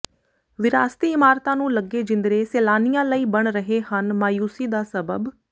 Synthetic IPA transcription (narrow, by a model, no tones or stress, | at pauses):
ʋɪɾaːst̪iːɪmaːɾt̪ãːnũːləɡːeːd͡ʒɪ̃nd̪ɾeːseːlaːnijãːləiːbəɳɾəɦeːhənmaːjuːsiːd̪aːsəbə̰b